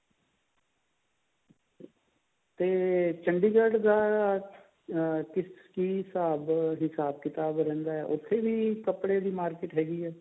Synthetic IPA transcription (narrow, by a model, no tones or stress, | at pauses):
t̪eːt͡ʃəɳɖiːɡəɾɖd̪aː | kɪskiːsaːbɦɪsaːb̚kɪt̪aːbɾɛ̃ːnd̪aːɛ̰ːʔʊt̪ʰːeːʋiːkəpɽeːd̪iːmaːɾkɪʈɦɛːɡiːɛː